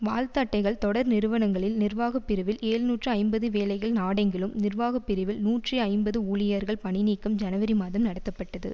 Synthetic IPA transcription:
ʋaːlt̪aːʈːɐɪɣɐɭt̪ɔɽɐɾnɪɾɯʋɐnɐŋɡɐɭɪlnɪrʋaːɣɐpːɪɾɪʋɪleːɻnuːʈrɯɐɪmbɐðɯʋeːlɐɪɣɐɭnaːɽɐŋɡɪlɯmnɪrʋaːɣɐpːɪɾɪʋɪlnuːʈriɐɪmbɐðɯuːɭɪjɐɾɣɐɭpɐɳɪniːkːɐmd͡ʒɐnɐʋɐɾimaːðɐmnɐɽɐt̪ːɐpːɐʈːɐðɯ̰

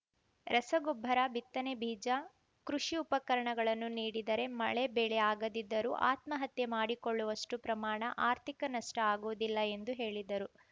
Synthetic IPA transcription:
ɾɐsɐɡobʱːɐɾɐbit̪ːɐnebʱiːd͡ʒɐ | kɾuʂiupɐkɐɾɐɳɐɡɐɭɐnːuniːɽid̪ɐɾe̞mɐɭe̞bɛɭeaːɡɐd̪id̪ːɐɾuʔa̰ːt̪mɐɦɐt̪jemaːɽikoɭːuʋɐʂʈupɾɐmaːɳɐ̰ʔaːɾt̪ʰikɐnɐʂʈɐaːɡuʋud̪ilːɐe̞nd̪uɦe̞ːɭid̪ɐɾu

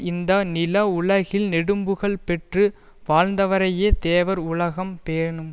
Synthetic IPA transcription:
ɪnd̪ɐnɪlɐʊɭɐɣɪlnɛɽɯmbɯɣɐɭpɛʈrɯ | ʋaːɻnd̪ɐʋɐɾɐjeːt̪eːʋɐɾʊɭɐɣɐmpeːɳɯm

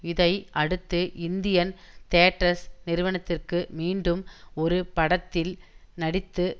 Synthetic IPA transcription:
ɪðɐɪʔɐɽɯt̪ːɯʔɪnd̪ɪjɐn | t̪eːʈɾɐsnɪɾɯʋɐɳɐt̪ːɪrkɯmiːɳɖɯmɔɾɯpɐɽɐt̪ːɪlnɐɽɪt̪ːɯ

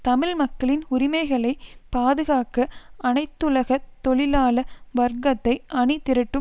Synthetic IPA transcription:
t̪ɐmɪlmɐkːɐɭɪnʊɾɪmɐɪɣɐɭɐɪpaːðɯɣaːkɐʔɐnɐɪt̪ːʊɭɐɣɐt̪ːɔɭɪlaːlɐʋɐɾɡɐt̪ːɐɪʔɐɳɪt̪ːɪɾɐʈːɯm

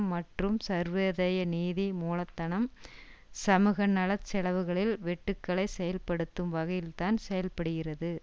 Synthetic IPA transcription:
mːɐʈrɯmsɐɾʋeðɐjɐniːðimuːlɐt̪ːɐɳɐm | sɐmɯɣɐnɐɭɐt͡ʃːɛɭɐʋɯɣɐɭɪlʋɛʈːɯkːɐɭɐɪsɛjɐlpɐɽɯt̪ːɯmʋɐɣɐjɪlt̪aːnsɛjɐlpɐɽɯɣɪrɐðɯ

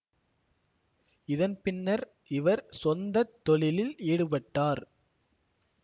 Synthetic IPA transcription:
ɪðɐnpɪnːɐɾ | ɪʋɐɾsɔnd̪ɐt̪ːɔɭɪlɪleːɽɯpɐʈːaːɾ

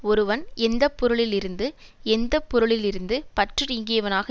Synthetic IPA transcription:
ɔɾɯʋɐnɛnd̪ɐpːʊɾɯɭɪlɪɾɯnd̪ɯ | ɛnd̪ɐpːʊɾɯɭɪlɪɾɯnd̪ɯpɐʈrɯɾɪŋɡɪjɐʋɐnaːɣɐ

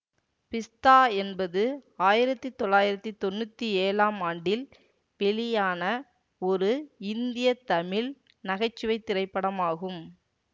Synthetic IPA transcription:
pɪst̪aːɛnbɐðɯaːjɪɾɐt̪ːɯt̪ɔɭːaːjɪɾɐt̪ːɯt̪ɔnːɯt̪ːieːlaːmaːɳɖɪl | pɛlɪjaːnɐ | ɔɾɯɪnd̪ɪjɐt̪ɐmɪl | nɐɣɐɪt͡ʃːɯʋɐɪt̪ːɪɾɐɪpːɐɽɐmaːɣɯm

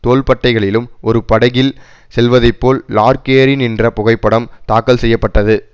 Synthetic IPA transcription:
t̪oːlpɐʈːɐɪɣɐɭɪlɯmʔɔɾɯpɐɽɐɣɪl | sɛlʋɐðɐɪpːoːlːaːɾkeːɾɪnɪndrɐpʊɣɐɪpːɐɽɐmt̪aːkːɐlsɛjːɐpːɐʈːɐðɯ

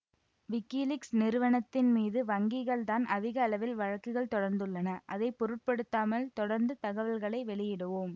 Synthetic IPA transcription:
ʋɪkːilɪksnɪɾɯʋɐnɐt̪ːɪnmiːðɯʋɐŋɡɪɣɐɭt̪aːnɐðɪɣɐːlɐʋɪlʋɐɻɐkːɯɣɐɭt̪ɔɽɐɾnd̪ɯɭːɐnɐʔɐðɐɪpːɔɾɯʈ̚pɐɽɯt̪ːaːmɐlt̪ɔɽɐɾnd̪ɯt̪ɐɣɐʋɐlɣɐɭɐɪʋɛɭɪjɪɽɯʋoːm

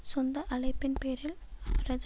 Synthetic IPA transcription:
sɔnd̪ɐʔɐɭɐɪpːɪnpeːɾɪl | ɐʋɐɾɐð

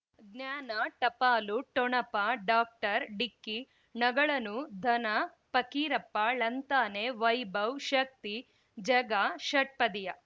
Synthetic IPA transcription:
ɡnjaːnɐʈɐpaːluʈɔɳɐpaɖaːk̚ʈɐɾɖikːi | nɐɡɐɭɐnud̪ʱɐnɐpɐkiːɾɐpːaːɭɐnt̪aːneʋɐjbɐwʃɐk̚t̪i | d͡ʒɐɡaʃɐʈ̚pɐd̪ijɐ

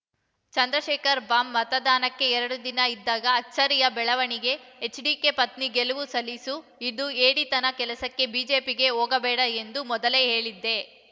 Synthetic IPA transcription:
t͡ʃɐnd̪ɾɐʃɛːkɐɾbaːmːɐt̪ɐd̪aːnɐkːe̞ɛɾɐɽud̪inɐid̪ːaːɡɐːt͡ʃːɐɾijɐbɛɭɐʋɐɳiɡe̞ːt͡ʃɖiːkepɐt̪niɡeluʋusɐlisu | id̪ueːɽit̪ɐnɐkɛlɐsɐkːe̞biːd͡ʒe̞ːpiɡe̞oːɡɐbɛːɽɐend̪umɔd̪ɐleːɦe̞ːɭid̪ːe̞

